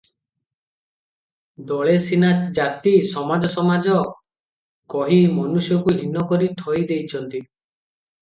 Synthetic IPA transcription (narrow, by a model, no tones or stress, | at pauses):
d̪ɔɭesinad͡ʒat̪isɔmad͡ʒɔsɔmad͡ʒɔ | kɔɦimɔnusjɔkuɦinɔkɔɾit̪ʰɔjd̪ejt͡ʃʰɔnt̪i